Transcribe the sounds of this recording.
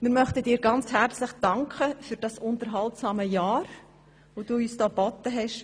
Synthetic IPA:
mɪɾmœχtədiːɾɡɑnt͡shæɾt͡sləχd̥ɑŋkχəfyɾd̥ɑsʊntəɾɦɑltsɑːməjɑːɾ | vod̥uːyːsd̥ɑːbɔtəɦɛʃ

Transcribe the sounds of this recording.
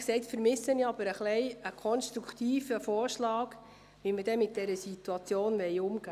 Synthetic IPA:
ksɛɪtfəɾmɪsːəniɑb̥əɾəχlɛɪəkʰɔnʃtɾukʰt̪iːfəfɔːɾʃlɑːɡ | ʋiməd̥ɛmɪt̚d̥ɛɾəsituɑt͡sjoːnʋɛɪʊmɡ̥aː

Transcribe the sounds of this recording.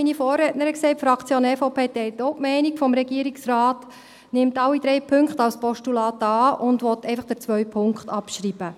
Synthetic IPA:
inifoːrːɛtnəɾəkseɪtfɾɑkt͡sjonɛfopʰeːtɛɪltoʊpmɛɪnikfɔmɾɛɡiəɾiksraːt | nɪmtɑlːid̥̪ɾɛɪpʰʏŋkχtɑwspɔʃtulɑːtɑːʊndʋɔtɛɪfɑχd̥ə̥t͡sʋœɥpʰʊŋkχtɑpʃɾiːb̥ə

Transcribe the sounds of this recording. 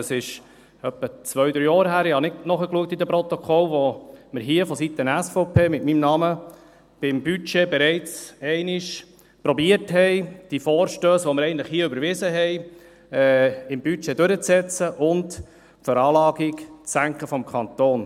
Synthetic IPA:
əsɪʃ | œpːət͡sʋœɥd̪ɾyːjɑːɾɦæːɾɪhɑnɪɡnɔχəkluək̚t̪id̪ɛpɾɔt̪ɔkʰɔlʋoməɾɦiəfɔsit̪ənæsfɔʊpʰeːmɪtmimnɑmə | b̥ɪmbyt͡ʃebɛɾɛɪt͡sɛɪnɪʃ | pɾɔbiətɦɛɪd̥ifɔːɾʃtøːsʋoməɾɛɪəntləχhiːəʏbəɾvɪzəɦɛɪ | ɛɪmbyt͡ʃɛdøɾət͡sːɛt͡səʔʊnt | fəɾɑːlɑːɡikt͡ssæŋkχəfɔmkʰɑnt̪oːn

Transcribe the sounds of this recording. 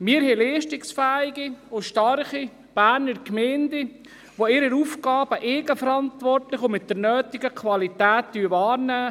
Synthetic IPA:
mɪːɾɦɛlɛːʃtɪksfæːɪɡiʊʃtɑɾχi | b̥æːɾnəɾkmɛːndɪ | ʋoɪɾəɾuːfkɑːb̥əʔeːɡəfəɾɑnt̪vɔrtlɪχʊmɪt̚d̥əɾnœːtɪɡəkʰvɑlit̪æːt̚d̥yəvɑːɾnæː

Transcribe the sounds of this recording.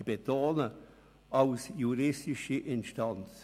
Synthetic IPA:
ib̥etoːnə | ɑlsjuɾɪstɪʃiʔɪnʃtɑnt͡s

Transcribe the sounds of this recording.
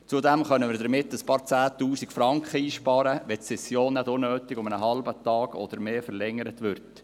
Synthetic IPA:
t͡sudɛmχœnəmɪːɾdəɾmɪtːəspɑːɾt͡sæːt̪uːsikfɾɑŋkχəiːʃpɑːɾəʋɛt̪sɛsjoːnːɛdʊnøːtɪɡʊmənəɦɑlbətɑːɡ̥ɔ̰d̥̪əɾmeːfəɾlɛŋːəɾət̪ʋʏɾt

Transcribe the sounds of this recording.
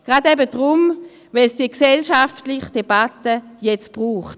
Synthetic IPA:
ɡ̥ʁadɛbədʁʊm | vɛlsd̥iəksɛlʃaftlɪχd̥eb̥atəjɛt͡stb̥ʁuːχt

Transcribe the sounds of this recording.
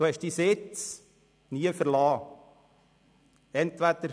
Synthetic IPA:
d̥uhɛʃd̥isɪt͡s | niəfəɾlɑː | ɛnt̪ʋæd̪əɾ

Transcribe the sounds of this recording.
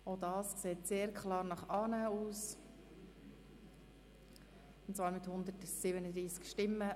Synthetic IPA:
odɑːskseːtseːɾkχlɑːɾnɑχɑːnæuːs | ʊntt͡svɑːɾmɪt̪hʊnd̪ətsɪbənəd̪ɾiːskʃtɪmːə

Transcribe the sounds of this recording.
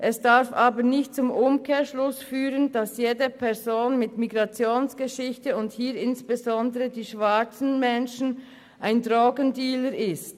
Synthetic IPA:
ʔɛsd̥aɾfʔaːbənɪçt̚t͡sʊmʔʊmkʰeːʃlʊsfyːʁənd̥ɑsjeːdəpʰɛʁzoːnmɪtmiɡʁɑt͡sjoːnsɡ̥əʃɪçtəʊnthiːɾɪnsb̥ezɔndəʁədiːʃv̥at͡sn̩mɛnʃn̩ | ʔaɪndʁoːɡəndiːləɾɪst

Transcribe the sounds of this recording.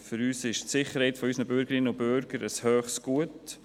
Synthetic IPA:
fʏɾyːsɪʃtsɪχəɾhɛɪtfɔysnəbʏɾɡəɾɪnːəʊnbʏɾɡ̥əɾəshøːχsɡ̥uət

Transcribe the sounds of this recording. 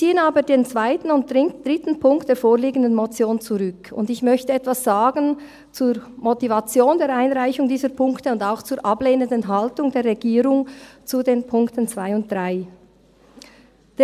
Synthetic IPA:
t͡siːənaːbədeːnt͡sv̥aɪtn̩ʊnt̚d̥ʁɪŋd̥ʁɪtn̩pʰʊŋkt̚d̥eːfoːʁliːɡən̩dənmot͡sjoːnt͡suʁʏkʊndɪçmœçtəɛtv̥asz̥aːɡən | t͡suːɾmotivat͡sjoːndeːɾʔaɪnʁaɪçʊŋdiːzəpʰʊŋktəʊndaʊxt͡suːɾʔɑbleːnəndənɦaltʊŋdeːɾʁɛɡiːɾʊŋt͡sudeːnpʰʊŋktənt͡sv̥aɪʊnt̚d̥ʁaɪ | d̥e

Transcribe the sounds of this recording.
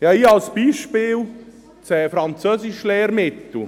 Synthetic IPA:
jɑːiːalsb̥iːʃpɪːl | t͡sɛːfɾɑnt͡søsɪʃlɛːɾmɪt̪l̩

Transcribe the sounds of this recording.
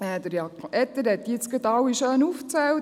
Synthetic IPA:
ɛd̪əɾjɑkʔɛt̪ːəɾɛt̪ːiɪt̪t͡sɡ̥ət̪ɑwiʃøːnuft͡sɛw

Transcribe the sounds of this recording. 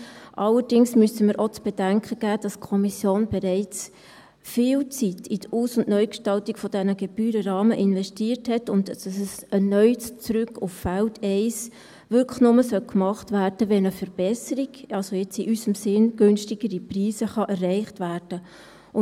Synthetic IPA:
ʔɑlːəɾd̥ɪŋsmyəsəmɪɾʔot͡sb̥ɛd̥æŋkχəɡ̥æːd̥ɑskʰɔmisjoːnbɛɾɛɪt͡s | fɪːlt͡sitʰiduːsʊndnœʏkʃtɑltiɡ̥fɔd̥ɛnəɡɛb̥yːɾəɾɑːməʔɪnvɛstiːərthɛtʊntd̥ɑsəsɛnœʏt͡sɾʉkːʊffæltʰɛɪs | ʋʏɾkʰə̥χnʊməsœlkmɑχtvæːrd̥əʋɛnəfəɾb̥ɛsəɾiɡ̥ɑlsojɛt͡siʔysəmsɪnɡ̥ʏnʃtiɡ̥əɾipriːsəχɑʔɛrːɛɪχtvæːrd̥ə | ʊ

